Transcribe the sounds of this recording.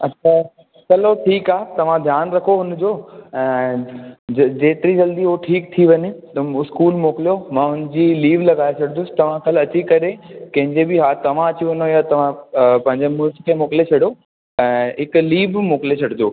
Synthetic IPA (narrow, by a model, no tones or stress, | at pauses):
ɐtːʃʰa | t͡ɕɐloʈʰiːkaːt̪ɐʋ̤ãd̪ʱjaːnɾɐkʰoɦʊnd͡ʑoːɛ̃ː | d͡ʑeːt̪ɪɾid͡ʑɐld̪iɦoʈʰiːkt̪ʰiʋɐɲet̪ɐɪskuːlmoːkɪljomãʊnd͡ʑiːliːʋlɐɡaːet͡ɕʰɐɽ̃nd̪ʊsɪ̥t̪ɐʋ̤ãkɐlɐt͡ɕikɐɾekɐ̃ɦɪ̃ɲd͡ʑebɪɦaːt̪ɐʋ̤ãɐt͡ɕiʋɐnojat̪ɐʋ̤ãpɐ̃ɦɪ̃ɲd͡ʑemʊlkkʰeːmoːklet͡ɕʰɐɽjo | ɛ̃ːɦɪkliːbmoːkɪlet͡ɕʰɐɽd̪oː